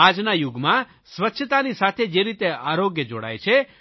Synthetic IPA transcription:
ad͡ʒnajuɡmã | sʋətːʃʰət̪anisat̪ʰed͡ʒeɾit̪eaɾoɡjəd͡ʒo̰ɽa̰jt͡ʃʰe

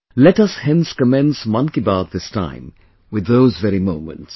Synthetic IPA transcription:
lɛtʌshɛ̃nskəmɛ̃nsmʌ̃nkibad̪̚ðɪstʰã̰ɪ̃m | wɨðːoʊzvɛɾimõʊ̃mə̰̃nts

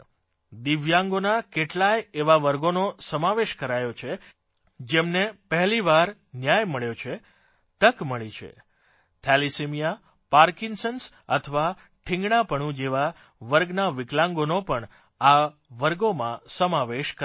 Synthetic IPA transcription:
d̪iʋjãŋɡonakeʈlajeʋaʋəɾɡonosəmaʋeʃkəɾajot͡ʃʰe | d͡ʒemnepəɦliʋaɾ | njajməɭjot͡ʃʰe | t̪əkməɭit͡ʃʰḛ | t̪ʰɛlisemija | paɾkinsəns | ə̰t̪ʰʋa | ʈʰɪ̃ŋɡɳapəɳ̃ũd͡ʒeʋa | ʋəɾɡnaʋɪklãŋɡonopəɳ | a | ʋəɾɡomãsəmaʋeʃkə

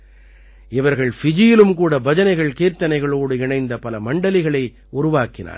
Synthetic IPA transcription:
ɪʋɐɾɣɐɭfɪd͡ʒɪjɪlɯmkuːɽɐbɐd͡ʒɐnɐɪɣɐɭkeːɾt̪ɐnɐɪɣɐɭoːɽɯɪɳɐɪnd̪ɐpɐlɐmɐɳɖɐlɪɣɐɭɐɪ | ʊɾʊʋaːkɪna̰ːɾ

